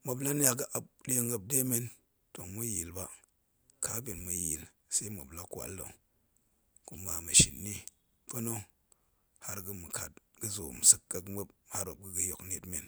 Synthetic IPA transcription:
mo˨bla˦n˦ja˨ɡɨ˦ʔa˨b̚ɗe˦ŋɡə˨b̚de˦me˦n | to˨mu˦ji˨lba˦ | ka˦bi˨nmu˨ji˨l | sa˦i˦mo̰˨bla˦kwa̰˨ldo̰˨ | ku˨ma˨mə˨ʃḭ˨nːi˦ | po˦no˦ | ha˦ɾɡɨ˦mɨ˨ka˨t̚ɡɨ˦zo˨m˨sɨ˦kːa˨kmə˦b̚ha˦ɾo˨b̚ɡɨ˦ɡə˨jo˨kne˨tme˨n

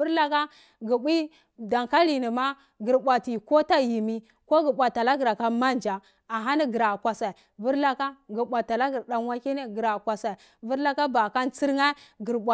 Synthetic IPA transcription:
vu˦ɾla˦ka˦ | ɡi˨ɓʷi˦ | da˨ŋka˦li˨ni˨ma˦ | ɡi˨ɾbʷa˨ti˨ko˦ta˦ji˨mi˦ | ko˦ɡi˨ɓʷa˨tːa˨la˦ɡi˨ɾa˨ka˦ma˦nd͡ʒa˨ | a˨ɦa˦ni˦ɡi˨ɾa˨kʷa˨sa˨i˨ | vu˦ɾla˦ka˦ɡi˨ɓʷa˨ta˨la˦ɡi˨ɾɗa˨n˦wa˦ke˦ne˦ɡi˨ɾa˨kʷa˨sa˨i˨ | vu˦ɾla˦ka˦ba˨ka˦nt͡si˦ɾŋa˦ɡi˨ɾɓʷa˨

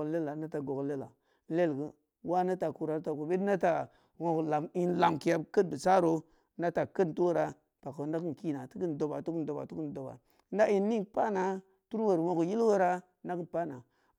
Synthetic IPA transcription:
le˦la˨na˦ta˨ɡo˨ɡle˦la̰˨˦ | le˦˨lɡə˦ | wa˦na˦ta˨ku˨ɾa˨˦ta˨ku˨be˦na˦ta˨ | wo˨kla˨mi˨nla˨mki˨ja˦bkə˦nbə˨sa˦ɾo˨˦ | na˦ta˨kə˦n˨tu˦wo˦ɾa˨ | pa˨ko˨na˦kɨ˦n˨ki˦na˨ti˦kə˦n˨do˨ba˨tu˦ku˦n˨do˨ba̰˨tu˦ku˦n˨do˨ba̰˨˦ | nda˦i˨nː˦i˦pa˦na˨ | tu˦ɾwə˨ɾwo˨kji˦lwə˦ɾa˦ | na˦kɨ˦n˨pa˦na˨

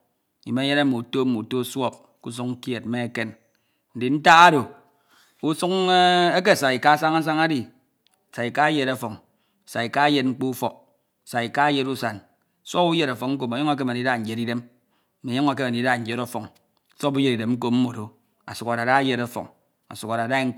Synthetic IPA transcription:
i˨me˦je˦ɾa˦mo˨to˦mo˨to˦swɔ˦p̚ | ku˦s̬u˦kŋ̩˦kje˨t̚m̩˦me˦e˦ke˦n | n̩˨di˨n̩˦ta˦ɣa˦ɾo˨ | u˦su˦ke˦ke˦˨sa˨i˨ka˦sa˦ŋa˦s̬a˦ŋa˦di˨ | sa˨i˨ka˦je˦ɾa˦fɔ˨ŋ˨ | sa˨i˨ka˦je˦t̚ŋ͡m̩˦k͡pu˦u˦fɔ˨k̚ | sa˨i˨ka˦je˦tu˦sa˨n˨ | sʷɔ˦pu˦je˦ɾa˨fɔ˨kŋ̩˦k̬o˨m˨e˨jɔ˦ŋ˦a˦k̬e˦me˨i˨˦da˦n̩˨d͡ʒe˨ɾi˦de˦m˨ | me˨jɔ˦ŋa˦ke˦me˨i˨˦da˦˨d͡ʒe˦ɾo˦fɔ˨ŋ˨ | swɔ˦pu˦je˦ɾi˨de˨mŋ͡m̩˦k̬o˦m̩˦mo˨ɾo˨ | a̰˨su˨ka˨ɾa˨da˦je˨ɾa˦fɔ̰˨ŋ | a̰˨su˨ka˨ɾa˨da˦i˦ŋ̩˦k

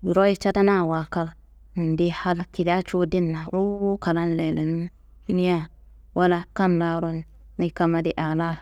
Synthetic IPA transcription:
ɾo˦i˦t͡ʃa˦ta˦na˦˨wa˨ka˦l | n˨di˦ha˦la˦ki˨da˦t͡ʃo˦di˦nːa˨ɾo˦ka˨ɾa˦n˦lɛ˨lɛ˨n˦ | du˦ni˦a˦ | wa˦la˦ka˦nːa˨ɾo˦n˨ | ni˦ka˦ma˦di˦ʔa˨la˦

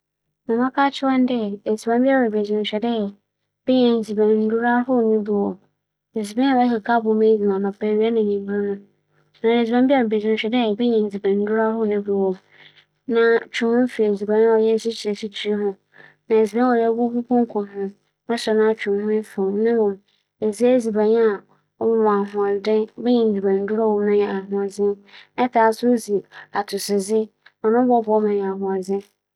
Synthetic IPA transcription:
mã˨mã˦kʰaː˦t͡ɕʰɪ˦wa˦n˦dɛ˦˨e˨zi˨bã˦mbi˦a˦wɛ˨be˨d͡ʑɪ̃˨ɕᶣɛ˨dɛ˦˨ | b̥ɛ˦ɲɛ̃˨n̩˨d͡zi˨bɛ̃˨n̩˦du˦ɾa˦hʊ˦˨nɪ̃˦bu˦˨wɔ˨ | e˨zi˨bɛ̃˦ɔ˨bɛ˦ka˨kʰa˦bʊ˨˦mẽ˦di˨ã˨nã˨pɛ˨ɾi˨˦a˦nã˨ɲĩ˨m˨bã˦nʊ̃˦ | nã˨e˨zi˨bã˦mbi˦a˦˨ɛ˨be˨d͡ʑɪ˨n˨ɕᶣɛ˨dɛ˦˨bɛ˦ɲɛ̃˨n̩˨d͡zi˨bɛ̃˨n̩˦du˦ɾa˦hʊ˦˨nʊ̃˦bu˦wɔ˨ | nã˨t͡ɕʰᶣʊ̃˨mʊ̃˦fi˨e˨d͡zi˨bã˨ñ˦wɔ˨jɛ˦si˦t͡ɕʰi˨e˨si˦t͡ɕʰi˨ɾi˦hʊ̃˦ | nã˨e˨d͡zi˨bã˦ɔ˨jɛ˦˨˦bu˦ku˦pʰɔ̃˦ŋ˦kʰɔ˨ɦʊ̃˦ | mã˦sɛ˨nã˦t͡ɕʰᶣʊ̃˨mhʊ̃˦fɪ˨nɪ̃˦wɔ̃˨m | e˨zi˦e˦d͡zi˨bã˨ɲ˦a˨ | ɔ˦m˨m̃˨a˨ɦʊ̃˨a˨dɪ̃˦bɛ˦ɲɛ̃˨n̩˨d͡zi˨bã˨n̩˦du˦ɾa˦wɔ˨˦nʊ̃˦jɛ˨a˨ɦʊ̃˨a˨d͡zɪ̃˦nɛ˦tʰa˨˦˨sʊ˦o˦zi˨a˨tʰʊ˨sɪ˨zɪ˦ | ɔ˨nʊ̃˦bɔ˦bɔ˦mã˨a˨hʊ̃˨a˨d͡zɪ̃˦

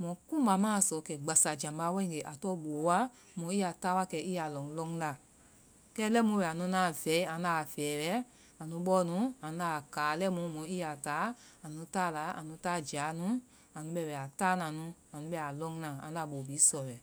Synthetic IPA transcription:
mɔ̃˨kũ˦ba˨˧˦mãː˦˨sɔ˨˦kɛ˨ɡ͡ba˨sa˨d͡ʒã˨mba˨˦wɛ̃˦ĩ˦˨ɡe˨ʔa˨tɔ˦ɓoː˨˦wa˦ | mɔ̃˨˦i˦a˨taː˦wa˧˦kɛ˧˦i˦a˨lɔ̃˨ŋ˧lɔ̃˧˦ŋ˦la˧˨ | kɛː˦lɛ˦mũ˧wɛ˨a˨nũ˧˦nãː˨vɛ˨˦i˦ã˨˦na˧˨fɛː˨˦bɛ˦ | a˨nũ˧˦ɓɔ˦nũ˧˦ã˨˦a˧˨kaː˨˦lɛ˦mũ˧˦mɔ̃˨˦i˦a˨taː˨˦a˨nũ˧˦taː˦˨la˨˦a̰˨nũ˧˦taː˦˨d͡ʒa˨˦nũ˦ | a˨nũ˨˧ɓɛ˧˨bɛ˨a˨taː˦nã˨nũ˧˦ | ã˨nũ˧˦ɓɛ˧˨a˨lɔ̃˧˦ŋ˦nã˨ã˨˦a˧˨ɓoː˨bi˨˦sɔ˨wɛ˨

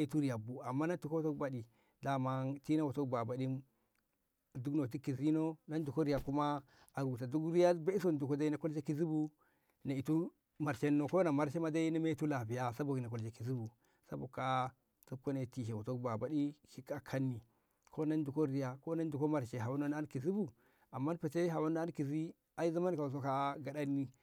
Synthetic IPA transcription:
a˦i˨˦tu˦ɾi˨ja˨bu˨a˨mːa˦na˦tu˨kto˦kba˨di˨ | da˨ma˦nti˦na˦wo˨to˦kba˨ba˨di˦˨ | du˦kno˨t̬i˦ki˨zi˦no˦na˦ndu˨ko˦ɾi˦ja˨ku˦ma˦ | a˨ɡu˨ta˨du˦kɾi˦ja˦be˦i˦so˦˨ndu˨ko˦da˦i˦na˨ko˦lʃe˦ki˦zi˦bu˦ | na˨i˨tu˦ | ma˨ɾʃe˦nːo˦ko˦na˨ma˦ɾʃe˦ma˦da˦i˦na˦me˦tu˦la˨bi˨ja˦sa˦bo˨i˨na˨ko˨lʃe˨ki˨zi˦bu˨ | sa̰˦bo˨ka˦ | to˦ko˦ne˨ti˨ʃe˨wo˨to˦kba˨ba˦ɗi˦ki˦ka˨kʰa˦nːi˨ | kʰo˦na˦n˦du˨ko˦ɾi˦ja˨ko˦na˦ndu˨ko˦ma˨ɾʃe˨ɦa˨wa˦no˦n˦a˦nki˨zi˦bu˨ | a˨mːa˦n˦pe˨te˦ɦa˨wa˦no˦a˦nki˨zi˦ | a˨i˦za˦ma˦nka˨u˨s̬o˦ka˦ɡa˨ɗa˦nːi˦

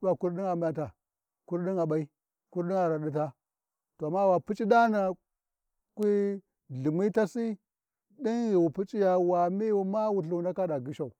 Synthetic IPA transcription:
wa˨ku˦ɾdi˦ŋa˨m˦ja˨ta˨ | ku˦ɾɗi˦ŋa˨ɓa˦i˦ | ku˦ɾdi˦ŋa˨ɾa˨ɗi˦ta˦ | to˨a˨mːa˦wa˨pi˦t͡ʃʼi˦da˦na˨ | kʷi˦ | ɮu˨mi˦ta˦si˦ | ɗi˦nɣi˨wu˨pi˦t͡ʃʼi˦ja˨wa˨mi˦wu˨ma˦wu˨ɬu˨wna˦ka˦da˨ɡi˦ʃa˨u˨

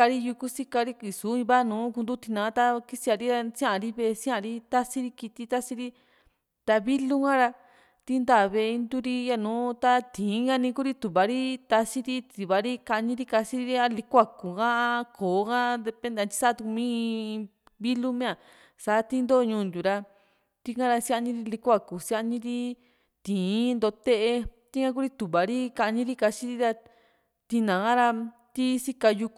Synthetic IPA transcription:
a˧ɾi˦ju˧ku˦si˦ka˧ɾi˦ki˨su˨˦ĩ˧βa˦˧nũː˨˦ku˧nd̪u˦t̪i˧nãː˨˧˦t̪a˧ki˦si˧a˧ɾi˦ɾa˧sĩ˦ã˦ʔã˧ɾi˦βe˧sĩ˦ã˧ɾi˦t̪a˦si˦ɾi˧ki˧t̪i˧t̪a˦si˧ɾi˦ | t̪a˧βi˦lu˦ŋã˦ɾa˧ | t̪i˧˦nd̪a˧˨βe˧i˧nd̪u˦ɾi˧ja˧nũː˨˦t̪a˧t̪ĩː˨˦ŋɡa˧nĩ˧ku˦ɾi˦t̪u˨βa˨ɾi˦t̪a˧si˦ɾi˦t̪i˨βa˨ɾi˦ka˧ɲĩ˧ɾi˦ka˧si˦ɾi˧ɾi˦a˧li˧˦kʷa˧ku˨ɡã˦˧kʰoː˨˦kã˦d̪e˧pẽ˧˦nd̪e˧t͡ʃ̪i̥˧sa˦t̪u˧ku˧mĩ˦ | βi˦lu˦mẽ˦ã˨ | sa˨˦t̪i˦nd̪o˦˧ɲũː˧nd̪u˨ɾa˧ | t̪i˧kã˦˧ɾa˧si˦ʔa˧nĩ˧ɾi˧li˧kʷa˦˧˨ku˨sa˧ɲĩ˧ɾi˦ | t̪ĩː˨˦nd̪o˧t̪e˦ʔe˧t̪i˦ŋã˧k̬u˦ɾi˦t̪u˨βa˨ɾi˦ka˧ɲĩ˦ɾi˦ka˧si˧˦ɾi˧ɾa˧ | t̪i˧nã˨ɣã˦ɾa˧ | t̪i˦si˦ka˧ju˧k

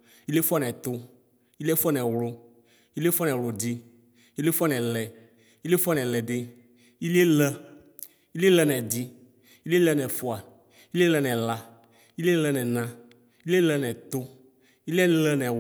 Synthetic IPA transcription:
i˦le˦fa˦nɛ˨t̪ʊ˦ | i˦lɛ˦fɔ˦nɛ˨wlʊ˦ | i˦li˦e˦fɔ˦nɛ˨lo˨di˦ | i˦le˦fɔ˦nɛ˨lɛ˨ | i˦le˦fɔ˦nɛ˨lɛ˨dɪ˦ | i˦le˦lɛ˦ | i˦li˦e˦lɛ˦nɛ˨di˦ | i˦li˦e˦lɛ˦nɛ˨fʊ˨a˨ | i˦li˦e˦lɛ˦nɛ˨la˦ | i˦le˦lɛ˦nɛ˨nã˦ | i˦li˦e˦lɛ˦nɛ˨t̪ʊ˦ | i˦lɛ˦lɛ˦nɛ˨

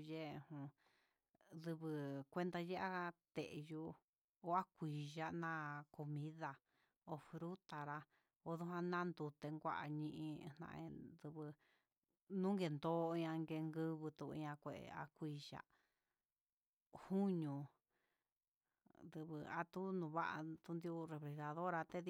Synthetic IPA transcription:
je˦ʔhũ˧ | ðɨ˧βɨ˧kʷe˦nd̪a˧je˦a˦t̪e˨ʔe˨ju˧ | o˧a˦kʷi˨ʒa˦nã˦ko˧mĩ˦ða˧ | o˧fɾu˦t̪a˨ɾa˧ | o˧ðu˦ɦã˦˧nã˦nd̪u˧t̪e˧ŋɡʷa˦ʔa˧ɲĩ˧ʔĩ˧n̥nã̰˧ʔḛ̃˧ðɨ˧βɨ˧ | nũ˦ŋɡe˧˨nd̪oː˦˧ɲã˧ŋɡe˧ŋɡɨ˦˧βɨ˧t̪u˧˨ḭ̃˧ɲã˧kʷe˨ḛ˨a̰˧kʷi˧ʒa̰˧ʔ | hu˦ɲũ˨ | d̪ɨ˧βɨ˧a̰˧t̪u˦nũ˧βa̰˦ʔa˧t̪u˦nd̪i˧u˧re˧βɾe˨˧ða˨ðo˦ɾa˧t̪e˦ð

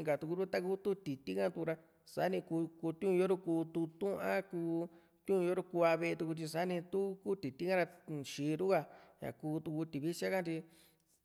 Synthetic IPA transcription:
ka˨t̪u˧ku˧ɾu˦t̪a˦k̬u˦t̪u˦t̪i˨t̪i˦kã˦t̪u˧ku˧ɾa˧ | sa˦nĩ˧ku˧ku˧t̪ũ˧jo˦ɾu˦kuː˧t̪u˧t̪ũ˦ã˦kuː˧ | t̪ũ˦ũ˧o˦ɾo˦ku˧a˧βe˧e˧t̪u˧ku˧t͡ʃ̪̬i˧sa˦nĩ˧t̪u˦ku˦t̪i˨t̪i˦kã˦ɾa˧ʃi˧˦˧ɾu˦ka˧ɲã̰˨kuː˧t̪u˧ku˧t̪i˨βi˦t͡ʃa˦kã˦t̪i˧

